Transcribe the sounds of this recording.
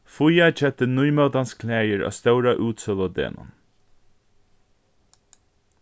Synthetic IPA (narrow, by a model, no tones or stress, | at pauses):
fʊjɑt͡ʃɛt̪ənʊʏmɑʊd̪ɑnskʰlæɪəɹʔɑ̰ːst̪œʉɾɑʔʉːt̪sɔlɔːd̪ḛːnʔɑ̰n